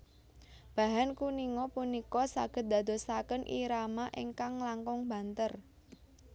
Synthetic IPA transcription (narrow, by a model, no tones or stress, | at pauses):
b̥a̤ɦankuniŋɔpunikɔsaɡ̥ə̤t̪̚d̪̥a̤d̪o̤sakənʔḭɾamaʔiŋkaŋlaŋkɔŋb̥a̤nt̪ər